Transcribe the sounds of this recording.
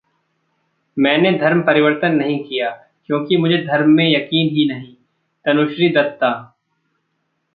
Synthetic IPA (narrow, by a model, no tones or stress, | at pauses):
mɛ̃ːned̪ʱɐɾmpɐɾɪʋəɾt̪ənːɐɦĩkijaː | kjõːkimʊd͡ʒʱed̪ʱɐɾmːẽjɐkiːnɦinɐɦĩ | t̪ɐnʊʃɾid̪ɐt̪ːaː